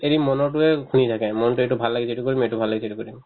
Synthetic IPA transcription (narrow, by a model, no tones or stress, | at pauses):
eɹimɔnɔɹʈuɛkʰunitʰakɛmɔntueʈubʱalːaɡisʰeʈukoɹimeʈubʱalːaɡisʰeʈikoɹim